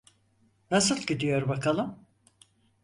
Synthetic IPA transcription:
nasɯlˠɟid̪ijo̞ɾbakʰalˠɯm

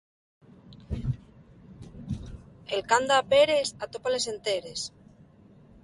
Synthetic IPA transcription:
elkand̪aːpeɾesat̪opale̞se̞nt̪eɾes

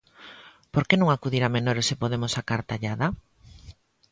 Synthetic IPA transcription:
poɾkenõŋakuðiɾamenoɾesepoðemosakaɾt̪aʎaða

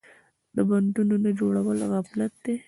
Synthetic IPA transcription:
d̪əbaɳɖunonad͡ʒoɽawəlɣaflat̪̚d̪e

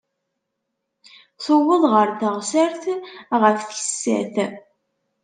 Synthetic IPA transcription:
θʊwəðˤʁəɾθəʁsəɾθʁəfçə̥sːæ̰θ

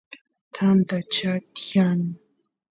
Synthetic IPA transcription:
t̪ʰant̪at͡ʃat̪jani

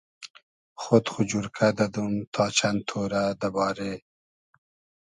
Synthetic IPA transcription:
xot̪xʊd͡ʒuɾkʰad̪ad̪umt̪ʰɑːt͡ʃant̪ʰoɾad̪əbɑːɾe

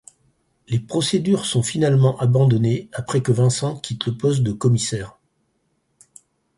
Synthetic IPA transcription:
lepχɔsed̪yʁsɔ̃finalmɑ̃ʔabɑ̃d̪ɔneapχɛkəvɛ̃sɑ̃kʲʰit̪ləpɔst̪̚d̪əkɔmisɛːʁ

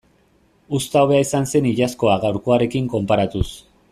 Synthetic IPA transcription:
ust̪awβe̞aisanse̞niʎasko̞aɣawɾko̞aɾe̞kiŋko̞mpaɾat̪us

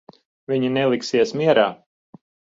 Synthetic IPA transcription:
vʲiɲinɛlˠiksiɛsmiɛɾaː

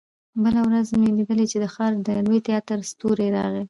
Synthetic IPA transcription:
bəlawɾazmelid̪əlet͡ʃed̪əxɑɾd̪əlwojt̪ɪjɑt̪ɾst̪oɾeɾɑɣi

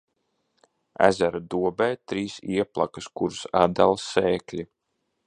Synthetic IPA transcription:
æ̰zæɾad̪uɔbɛjt̪ɾiːsiɛplˠa̰kɨskuɾsad̪alˠsɛːklʲi

